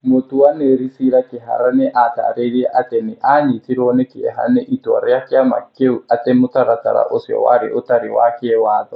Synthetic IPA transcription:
mʊt̪uaneɾisiɾakɪɦa̰ɾanɛʔat̪a̰ɾeɾiɛʔat̪ɛnɪʔaɲit̪iɾonɛkɪɛɦa̰nɛʔitwa̰ɾɛakɪama̰keuat̪ɛmʊt̪aɾat̪a̰ɾa̰ʔosjɔ̰wa̰ɾɪʔʊt̪aɾiwa̰kɛwaːðɔ

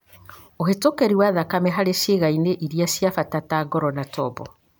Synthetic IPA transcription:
ohetokɛɾiwaðakamɛɦaɾeʃeɣaineʔiɾijasjafatataɡɔɾɔnatʰɔbɔ

